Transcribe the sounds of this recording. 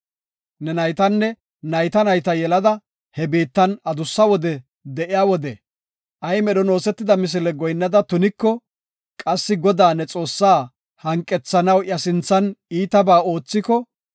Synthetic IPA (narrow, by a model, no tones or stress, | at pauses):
nɛnɐjt̪ɐnːɛ | nɐjt̪ɐnɐjt̪ɐjɛlɐd̪ɐ | hɛbeːt̪ːɐnɐd̪ʊsːɐwɔd̪ɛ | d̪ɛʔɪjaːwɔd̪ɛ | ʔɐjmɛɗɔno̞ːsɛt̪ːɪd̪ɐmɪs̬ɪlɛɡɔjnːɐd̪ɐt̪ʊnɪkːɔ | kʼɐsːɪɡɔd̪aːnɛt͡sʼo̞ːsːaː | hɐŋkʼːɛt͡sːɐnɐwʔjɐsɪnt͡sːɐniːt̪ɐbaːo̞ːt͡sːɪkɔ